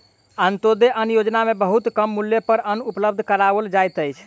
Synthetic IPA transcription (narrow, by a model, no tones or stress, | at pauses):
ənt̪od̪eʔənjod͡ʒnamebəɦut̪kəmːuljepəɾənupləb̚d̪ʱkəɾabəld͡ʒajt̪əjt͡ʃʰ